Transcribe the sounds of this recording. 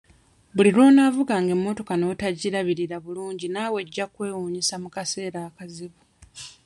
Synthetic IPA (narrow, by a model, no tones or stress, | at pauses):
βuliɾo̞ːnaːvuɡaːŋɡe̞mːo̞to̞kano̞taɟiɾaβiɾiɾaβuluːɲɟinaːwe̞ɟːakwe̞ːwuːɲisamukase̞ːɾaːkaziβu